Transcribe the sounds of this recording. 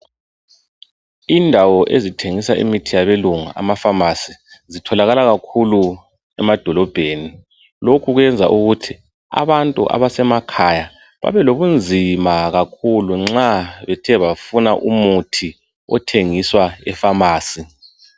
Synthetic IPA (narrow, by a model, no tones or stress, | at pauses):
indʱawɔʔezitʰeŋisaʔḭmitʰijaβeluŋa̰ʔa̰mafamasizitʰɔlaɣalaɣakʰulu | ɛmad̥ʱɔlɔb̥ʱeːni | lokʰuɣwɛnd͡zʱa̰ʔuɣutʰi | a̰βantʼṵʔa̰βasɛmakʰaja | βa̰βɛloβund͡zʱimaɣakʰuluŋ͡ǁaβɛtʰɛβafunaʔumutʰi | ɔ̰tʰeŋiswaɛ̰famaːsi